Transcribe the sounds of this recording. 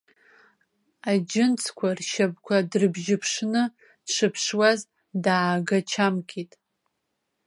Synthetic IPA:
ad͡ʒɪnt͡sʰkʷʰarʃab̚kʷʰadrɨbʒɪpʰʂnɨ | dʂɨpʰʂwaz | daːɡat͡ʃʰamkʲʰʼitʼ

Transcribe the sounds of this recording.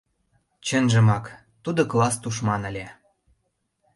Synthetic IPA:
t͡ɕənʒə̆mɑk | t̪ud̪oklɑst̪uʃ̬mɑnə̆lʲe

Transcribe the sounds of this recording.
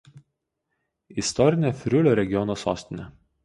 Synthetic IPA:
ɪst̪ɔɾʲɪnʲefʲɾʲʊlʲoːɾʲɛɡʲɪɔnoːso̰ːsʲt̪ʲɪnʲɛ

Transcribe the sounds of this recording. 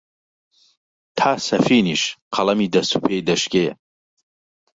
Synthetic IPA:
t̪ʰaːsɐfiːniːʃqʰɐlˠɐmiːd̪ɐst̪upʰeːjd̪ɐʃke

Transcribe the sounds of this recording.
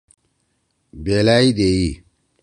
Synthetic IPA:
belaːid̪ei

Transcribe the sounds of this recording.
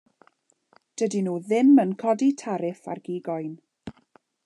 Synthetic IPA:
d̥ədinuːðɪmənkʰɔditʰaɾɪθa̰rɡ̥iːɡɔjn

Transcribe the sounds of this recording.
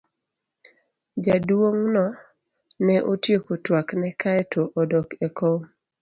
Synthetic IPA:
d͡ʒadwoŋnɔ | nɛʔotjekotwaknɛkaɛtʰoʔɔdɔkɛko

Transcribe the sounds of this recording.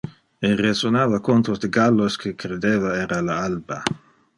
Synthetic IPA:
erezonaːvakont̪ɾosd̪eɡalːoskʰekɾed̪eːvaɛːɾalaalba

